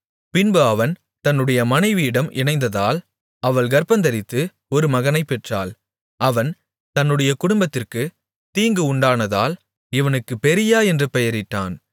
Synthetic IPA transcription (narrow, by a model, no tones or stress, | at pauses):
pɪnboɐʋɐn | t̪ɐnːɯɽɐjɐmɐnɐɪʋɪjɪɽɐmʔɪ̰nɐɪnd̪ɐðaːl | ɐʋɐɭɡɐɾpɐnd̪ɐɾɪt̪ːɯ | ɔɾɯmɐɣɐnɐɪpːɛʈra̰ːl | ɐʋɐn | t̪ɐnːɯɽɐjɐkʊɽʊmbɐt̪ːɪrkɯ | t̪iːŋɡɯʊɳɖaːnɐða̰ːl | ɪʋɐnɯkːɯpɛɾɪjaːɛndrɯpɛjɐɾɪʈːa̰ːn